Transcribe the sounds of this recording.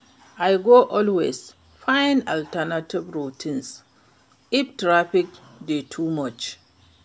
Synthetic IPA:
ʔajɡoʔɔlwes | fãjnaltɛnativɹutʰĩns | iptɹafik | detʰumɔt͡ʃ

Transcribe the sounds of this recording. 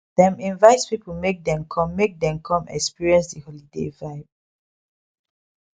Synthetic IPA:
dɛ̃mĩnvaɪtpipəmek̚dɛ̃mkʰɔ̃mːek̚dɛ̃mkʰɔ̃mɛ̰kspiɹiɛ̃nsdəhɔlidḛvaɪv

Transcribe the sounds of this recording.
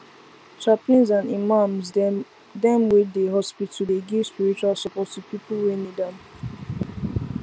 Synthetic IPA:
t͡ʃaplĩnzãnimãmz | dɛ̃mwiddeɦɔspitudeɡespiɹit͡ʃualsɔpɔttupipəlwẽnidãn

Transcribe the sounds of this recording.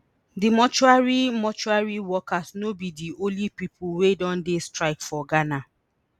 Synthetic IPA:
dimɔt͡ʃuaɹimɔt͡ʃuaɹiwɔkasnobidiʔõlipipʰulwedɔ̃ndestɹaɪkfɔɡana

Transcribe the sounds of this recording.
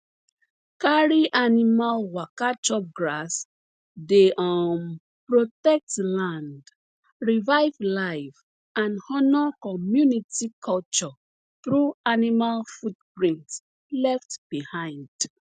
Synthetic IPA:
kaɹiʔanimalwakat͡ʃɔp̚ɡɹas | deʔam | pɹotɛk̚tlãnd | ɹivaɪvlaɪv | ãnhɔnɔkɔmjunitikʰɔlt͡ʃɔ | θɹuanimalfutpɹĩnt | lɛftb̥ihãɪ̃nd̥

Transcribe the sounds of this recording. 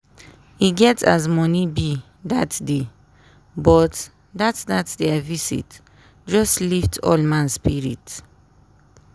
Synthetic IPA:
iɡɛtazmɔnibi | datde | bɔt | datsdatdɛvisḭt | d͡ʒɔstliftʰɔ̰lmãnspiɹḭt

